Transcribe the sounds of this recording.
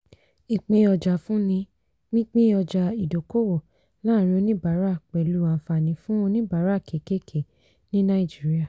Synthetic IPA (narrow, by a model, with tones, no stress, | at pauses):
i˨k͡pĩ˧˦ɔ˧d͡ʒa˨fũ˦nĩ˧ | nĩ˦k͡pĩ˦ɔ˧d͡ʒa˧i˨do˨˦ko˦˨wo˨ | lãː˦ɾĩ˧o˧nĩ˦ba˨˦ɾa˦˨k͡pɛ˨lu˨˦˨ã˨fa˨nĩ˨˦fũ˦o˧nĩ˦ba˨˦ɾa˦˨kʰe˨ke˦˨kʰe˨ | nĩ˦nã˦i˦˨d͡ʒi˨˦ɾi˦a˦˨